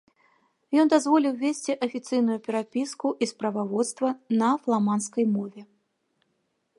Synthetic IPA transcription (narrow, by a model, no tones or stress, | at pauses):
jɔnd̪azvɔlʲiwvʲesʲt͡sʲiʔɐfʲit̪sɨjnujupʲɛɾapʲiskuʔispɾɐvavɔt̪st̪vɐnɐflˠamanskɐjmɔvʲɛ